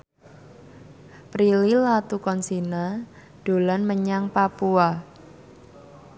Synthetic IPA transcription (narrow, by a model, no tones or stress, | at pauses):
pɾililat̪ukɔnsina | d̥o̤lanməɲaŋpapua